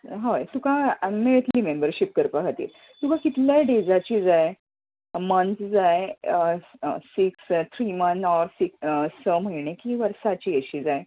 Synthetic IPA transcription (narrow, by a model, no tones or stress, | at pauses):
ɦojt̪ukameɭet̪limembəɾɕip̚kəɾpaɦat̪ḭːl | t̪ukakit̪ljajɖed͡zat͡ɕiːd͡zaj | mənt̪d͡zaj | siksd͡zat̪ʰɾimənɔɾsiksəm̤əiɳekiːʋəɾsat͡ɕiːəɕiːd͡zaj